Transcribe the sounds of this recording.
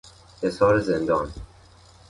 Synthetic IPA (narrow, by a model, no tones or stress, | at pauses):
hesɒːɾezend̪ɒːn